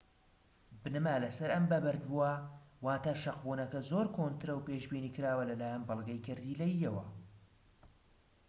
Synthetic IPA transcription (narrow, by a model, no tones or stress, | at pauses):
bɨnɨmalɐsɐɾɐmbɐbɐɾd̪buawaːt̪aɾʃɐqbuːnɐkɐzoːɾkʰoːnt̪ɨɾɐwpeːʃbiːniːkɨɾaːwɐlɐlaːjɛnbɨlˠɡɐjkʰɨɾd̪iːlɐjːɐwɐ